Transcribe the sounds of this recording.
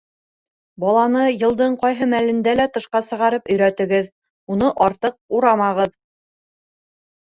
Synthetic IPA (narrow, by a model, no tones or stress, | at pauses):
bɑlˠɑnɤjɤ̆lˠd̪ɤɴqɑjɦɤmælɘ̆nd̪ælæt̪ɤ̆ʃqɑsɤ̆ʁɑɾɤpɵ̆jɾæt̪ɘ̆ɡɘð | unɤʔɑɾt̪ɤq̚uɾɑmɑʁɤð